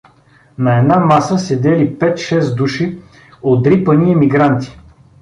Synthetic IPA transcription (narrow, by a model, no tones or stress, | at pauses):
nɐɛd̪namasəsɛd̪ɛlipɛt̪ʃɛsd̪uʃi | ot̪ɾipəniɛmiɡɾant̪i̥